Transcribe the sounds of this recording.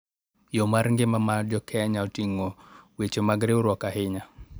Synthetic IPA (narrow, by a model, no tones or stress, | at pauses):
jɔmaɾŋɡɪmamad͡ʒɔkʰɛɲaɔtiŋɔwet͡ʃomaɡɾeuɾwɔkaɦɪɲa